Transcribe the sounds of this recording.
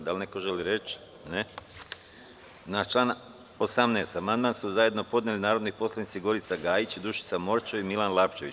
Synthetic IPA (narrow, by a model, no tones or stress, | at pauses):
d̪alnekoʒeliɾe̞t͡ʃ | ne | nat͡ʃlˠaːn | osamneːst̪amand̪mansuzaje̞d̪no̞po̞d̪nelinaːɾo̞d̪nipo̞slˠanit̪siɡo̞ɾit̪saɡaːjit͡ɕid̪uʃi̥samo̞ɾt͡ʃoimilˠanlˠaːpt͡ʃe̞ʋit͡ɕ